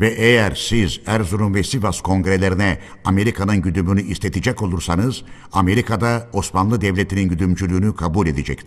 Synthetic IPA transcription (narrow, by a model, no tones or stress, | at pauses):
vɛʔejæɾsizæɾzuɾunvɛsivaskʰo̞ŋɡɾe̞lʲe̞ɾinɛ | ame̞ɾikʰanɯnɟyd̪ymynyʔist̪ʰet̪ʰid͡ʒɛco̞lˠuɾsanɯz̥ | ame̞ɾikʰad̪aosmanlˠɯd̪ɛvlʲet̪ʰininɟyd̪ymd͡ʒylʲyːnykʰabulʲe̞d̪ed͡ʒɛc̚t̪ʰi̥